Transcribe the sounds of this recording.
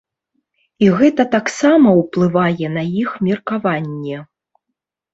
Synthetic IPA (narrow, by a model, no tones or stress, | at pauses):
iɣɛt̪ɐt̪aksamɐwplˠɨvajɛnɐjixmʲɛrkavanʲːɛ